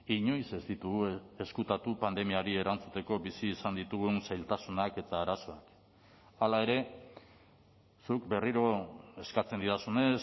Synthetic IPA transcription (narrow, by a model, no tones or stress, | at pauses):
iɲo̞jse̞zd̪it̪uɣue̞skut̪at̪upand̪e̞miaɾie̞ɾant͡sut̪e̞ko̞bisiːsand̪it̪uɣunsajlt̪asunake̞t̪aːɾaso̞ak | alae̞ɾe̞ | sukbe̞riɾo̞e̞skat͡se̞nd̪iðasune̞s